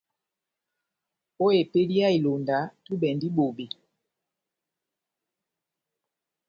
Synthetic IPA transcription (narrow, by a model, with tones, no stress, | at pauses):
o˦e˨pe˦di˦a˦i˨lo˨nda˨˦tu˦ɓɛ˨ndi˦ɓo˨ɓe˨